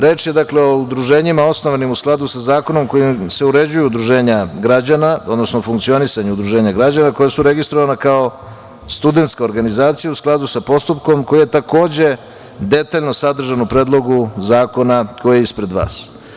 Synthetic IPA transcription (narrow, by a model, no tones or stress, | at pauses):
ɾe̞ːt͡ʃje̞d̪akleo̞ud̪ɾuʒe̞ːɲimao̞sno̞ʋanimusklˠad̪usazaːko̞no̞mko̞imse̞uɾe̞d͡ʑujuud̪ɾuʒe̞ːɲaɡɾad͡ʑanao̞d̪no̞snofuŋkt̪sio̞nisaɲeud̪ɾuʒeːɲaɡɾad͡ʑanako̞jasuɾe̞ɡist̪ɾo̞ʋanakao̞ | st̪ud̪e̞nt̪skao̞ɾɡanizaːt̪sijausklˠad̪usapo̞st̪up̚ko̞mko̞jijet̪ako̞ːd͡ʑe̞ | d̪e̞t̪aːʎno̞sad̪r̩ʒanupɾeːd̪lˠo̞ɡuzaːko̞nakojjeispɾe̞d̪ʋa̰ːs